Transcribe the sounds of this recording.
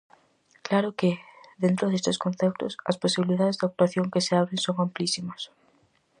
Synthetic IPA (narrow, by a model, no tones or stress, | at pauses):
klaɾʊkɪðent̪ɾʊðest̪ɪskõnθɛp̚t̪ʊ̰sɐ̰sposiβiliðaðezd̪ɪak̚t̪uaθjoŋkeseaβɾeŋsoŋamplisimɐs